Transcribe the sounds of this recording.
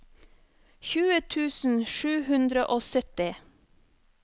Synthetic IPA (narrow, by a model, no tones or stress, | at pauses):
çʉːət̪ʰʉːsn̩ʃʉːhʉnd̪ɾəʔoːsœt̪ɪ